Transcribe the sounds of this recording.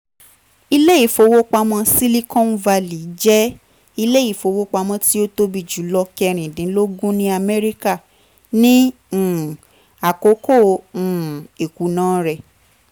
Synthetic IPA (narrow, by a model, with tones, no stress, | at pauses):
i˧le˦i˦˨fo˧wo˦k͡pa˧mɔ̃˧si˦li˦kɔ̃˦n̩˦va˧li˨˦d͡ʒɛ˦ | i˧le˦i˦˨fo˨˧˦wo˦k͡pa˧mɔ̃˧ti˦o˦to˦bi˦˨d͡ʒu˨˦lɔ˧kɛ˧ɾ̃ĩ˨dĩ˨˦lo˦ɡũ˦nĩ˦a˧mɛ˦ɾi˦ka˦˨ | nĩ˦˨ | a˨ko˨˦kõ˦˨ | e˨ku˨˦nãː˦ɾɛ˧˨